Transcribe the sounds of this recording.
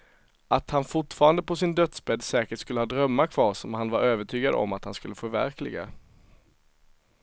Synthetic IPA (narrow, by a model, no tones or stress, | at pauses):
ʔat̪hanfʊʈfɑːɾand̪əpʰɔsɪnd̪œt̪sbɛd̪sɛːkəʈskɵləhɑːd̪ɾœmːakʰvɑːʂɔmhanvaɾøːvəʈʰyːɡad̪ɔ̰mːat̪hanskɵlːəfœɾvæ̰ɾklɪ̰ɡa̰